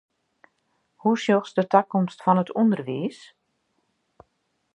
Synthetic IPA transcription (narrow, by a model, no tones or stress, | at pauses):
husjoxsdətakɔmstfɔnətʰundərʋiːs